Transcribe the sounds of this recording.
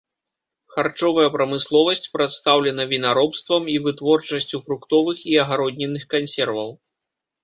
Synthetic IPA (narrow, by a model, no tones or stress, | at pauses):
xart͡ʂɔvɐjɐpɾɐmɨslˠɔvɐsʲt͡sʲpɾɐt̪st̪awlʲɛnɐvʲinaɾɔpst̪vɐmivɨt̪vɔrt͡ʂɐsʲt͡sʲufɾukt̪ɔvɨxiɐɣaɾɔdʲnʲɛnɨxkansʲɛrvɐw